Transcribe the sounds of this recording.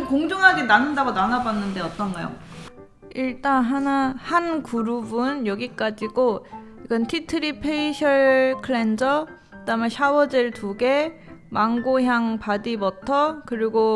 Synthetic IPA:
koŋd͡ʑoŋɦaɡenanɯndaɡonanabanːɯnde̞ʌt͈ʌnɡajo̰ | iɭt͈anɦanahankuɾubunjʌɡik͈ad͡ʑiɡo | iɡʌntʰitʰɯɾipʰeiɕʰʌɭkʰɯɭend͡ʑʌ | kkɯdamaɕʰawʌd͡ʑeɭtuɡe̞maŋɡoɦjaŋpadibʌtʰʌkɯɾiɡo

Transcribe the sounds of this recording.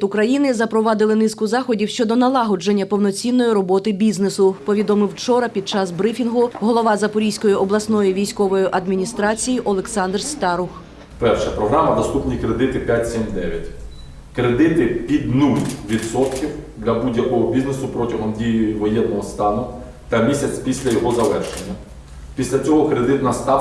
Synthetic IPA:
t̪ʊkɾɐjinɪzɐpɾɔʋɑd̪ɪlˠɪnɪskʊzɑxɔdʲiwʃt͡ʃɔd̪ɔnɐlˠɑɦɔd͡ʒenʲːɐpɔwnɔt͡sʲinːɔjiɾɔbɔt̪ɪbʲiznesʊpɔʋʲid̪ɔmɪwt͡ʃɔɾɐpʲid̪̚t͡ʃɑzbɾɪfʲinɦʊɦɔlˠɔʋɑzɐpɔɾʲijsʲkɔjiʔɔblˠɐsnɔjiʋʲijsʲkɔʋɔjiʔɐd̪mʲinʲist̪ɾɑt͡sʲijiʔɔlˠeksɑnd̪rst̪ɑɾʊx | pɛrʃɛpɾɔɦɾɑmɐd̪ɐst̪upnʲikɾed̪ɪt̪ɪpʲjatʲsʲimd̪ɛʋʲjɐtʲ | kɾed̪ɪt̪ɪpʲid̪ʲnulʲʋʲid̪sɔt̪kʲiwd̪lʲɐbudʲjɐkɔɦɔbʲiznesʊpɾɔtʲɐɦɔmdʲijʊjʊʋɔjɛnːɔɦɔst̪ɑnʊ | t̪ɐmʲisʲɐt͡sʲpʲisʲlʲɐjɔɦɔzɐlɛrʃenʲːɐ | pʲisʲlʲɐt͡sʲɔɦɔkɾe̞d̪ɪt̪nɐst̪ɑ

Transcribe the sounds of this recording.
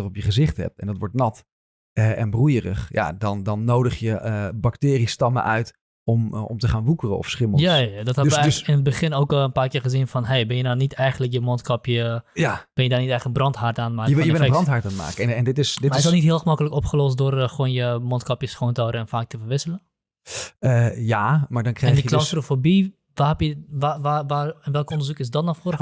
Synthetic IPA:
ərɔpjəχəzɪχthɛ̰p̚tɛndɔtʋɔɹtnɑt | əɛnbrujərə̰χja̰dɔndɔnːowdəχjəbaktɪːristɑmə̰ʔœɥt | ɔmɔ̰mtəχaːnʋukərəɔ̰fsχɪməjaadɔthɛʋəɪnət̚bəχɪnoːkɔlˠənpaːrkɪːrχəzinfɔnɦejbɪnjədanitɛjχənlək̬jəmɔntkɔpjəjab̥ɪnjədaːnitɛjχəənbrɔnthartaːnmaːkəɪbrɑnthaɹtanma̰ːkəɛndɪtɪsmdɪaɪsɔlˠnitɦiəlˠxəmɔkələkɔpχəlɔstdʊrxoənjəmɔntkɔpjəsxoːntɔwɾəɛnfaːk̚tʰəfərʋɪsələn | əjamaːɹdɔnkrɛndəəklɔstərofobi | ʋahɛpjəʋaʋaʋanʋɛlˠkɔndərzukɪsdɔtnɔfoɾə

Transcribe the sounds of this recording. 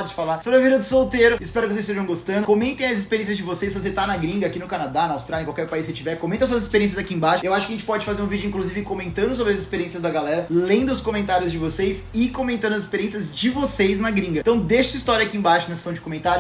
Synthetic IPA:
d̪ʊd͡ʒɪfalaɾsobɾɐviɾɐd̪ʊsowt̪eɾʊɪspɛɾʊkɪvos̬est̪eʒɐ̃w̃ɡost̪ɐ̃nd̪ʊkomẽnt̪ẽj̃ɐzispeɾjẽs̬jɐzd͡ʒɪvosejsːɪvos̬et̪anɐɡɾĩŋɡɐakinʊkanad̪anɐawst̪ɾaljɐkawkɛɾpaisɪt͡ʃivɛɾkõmẽt̪ɐsuɐzispeɾiẽsjɐzakiẽbaʃʊ̥ewaʃʊkɪɐʒẽt͡ʃɪ̥pɔd͡ʒɪfazeɾũvid͡ʒʊĩŋkluzivɪkomẽnt̪ɐ̃nd̪ʊs̬obɾɪɐzispeɾiẽsjɐzd̪ɐɡalɛɾɐlẽnd̪ʊskomẽnt̪aɾjʊzd͡ʒɪvosejsɪkõmẽnt̪ɐ̃nd̪ɐzispeɾiẽsiɐzd͡ʒɪvosejznɐɡɾĩŋɡɐt̪ɐ̃w̃d̪eʃɐsɐist̪ɔɾjɐakiẽbaʃʊnɐse̥sɐ̃w̃d͡ʒɪkomẽnt̪aɾjʊ

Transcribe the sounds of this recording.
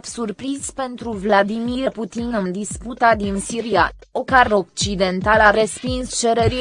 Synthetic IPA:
psurpɾizpe̞nt̪ɾuvlad̪imiput̪inɨnd̪isput̪ad̪insiɾia̰okaro̞k̚t͡ʃid̪e̞nt̪alaɾespinst͡ʃe̞ɾeɾi

